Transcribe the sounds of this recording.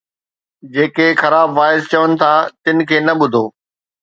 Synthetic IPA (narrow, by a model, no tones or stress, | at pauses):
d͡ʑeːkexɐɾaːbʋaːɪzt͡ɕɐʋənɪ̆t̪ʰaːt̪ɪnɪ̆kʰeːnɐɓʊd̪ʱoː